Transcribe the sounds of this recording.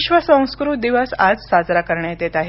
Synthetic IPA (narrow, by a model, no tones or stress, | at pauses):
ɕʋəsə̃w̃skɾud̪iʋəsad͡zsad͡zɾakəɾɳat̪et̪aɦe